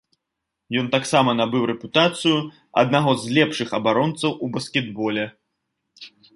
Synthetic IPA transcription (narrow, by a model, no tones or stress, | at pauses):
jɔnt̪aksamɐnabɨwɾɛput̪at̪sɨju | ɐ̰d̪̚naɣɔzlʲɛpʂɨxɐbaɾɔnt̪sɐwʔubɐskʲɛd̪bɔlʲɛ